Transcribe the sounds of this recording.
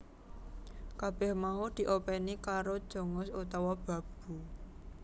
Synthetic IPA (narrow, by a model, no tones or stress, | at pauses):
kab̥ɛhmaud̪̥i̤ʔopɛnikaɾod̥ʒ̥o̤ŋʊsut̪awab̥a̤b̥ṳ